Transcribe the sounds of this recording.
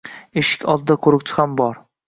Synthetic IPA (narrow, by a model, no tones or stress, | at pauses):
eʃɪ̥kʲɒlˠd̪ɪd̪akʰʊɾɪkt͡ʃʰɪ̥hambɒɾ